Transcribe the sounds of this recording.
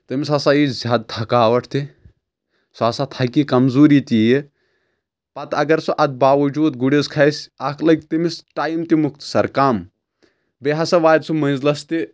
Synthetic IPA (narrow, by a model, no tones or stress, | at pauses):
t̪ɨmisɐsajizʲaːd̪̚t̪ʰɐkaːʋɐʈʰt̪i | sɔɐsat̪ʰɐkikɐmzuːɾit̪iji | pɐt̪ɐɡɐɾsoʔɐd̪̚baːʋɐd͡ʒuːd̪ɡuɽeskʰɐsɐkʰlɐɡ̚t̪imisʈaːjmt̪imuk̚t̪sɐɾkaːm | beɦasɐʋaːd̪sumɐzlɐst̪i